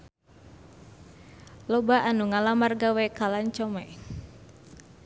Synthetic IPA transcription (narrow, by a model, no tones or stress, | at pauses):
lɔbaʔanuŋalamarɡawɛkalaɲt͡ʃɔmɛ